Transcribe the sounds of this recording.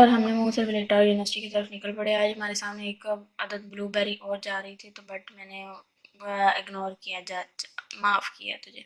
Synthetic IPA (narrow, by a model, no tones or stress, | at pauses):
ɔːɾɦɐmnemũːsəɾbɪleːʈaːɾjuːnɪʋəɾsɪ̥ʈiket̪əɾəfnɪkəlpɐɽeaaːd͡ʒɦɐmaːɾesaːmneeːkɐd̪əd̪̚bluːbɛːɾiʔɔːɾd͡ʒaːɾɐɦit̪ʰit̪obɐʈmɛːne | ɪɡnoːɾkijad͡ʒaːmaːfkija̰t̪ʊd͡ʒʱeː